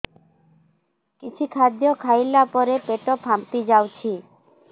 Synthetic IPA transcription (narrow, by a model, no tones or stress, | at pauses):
kit͡ʃʰikʰad̪jɔkʰajlapɔɾepeʈɔpʰamt̪id͡ʒawt͡ʃʰi